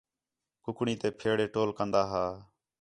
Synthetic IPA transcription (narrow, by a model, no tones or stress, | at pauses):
kʊkɳiːt̪eːpʰeːɽeːʈoːlkənd̪aːɦaː